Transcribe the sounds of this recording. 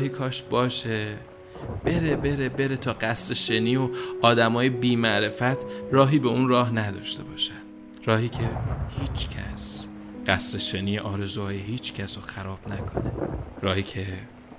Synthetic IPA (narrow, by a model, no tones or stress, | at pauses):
hiːkʰɒːʃbɒːʃe | b̥e̞ɾebe̞ɾe̞be̞ɾe̞t̪ʰɒːɢæsɾeʃeniːoɒːd̪æmɒːjebiːmæʔɾe̞fæt̪ʰrɒːɦiːbeunrɒːɦnæd̪ɒːʃt̪e̞bɒːʃæn | ɾɒːhiːcʰe̞hiːt͡ʃʰcʰæ̰s | ɢæsɾeʃeniːjeʔɒːɾe̞zuːɒːjeɦiːt͡ʃʰcʰæsoxæɾɒːb̥nækʰo̞ne̞ɾɒːhiːcʰe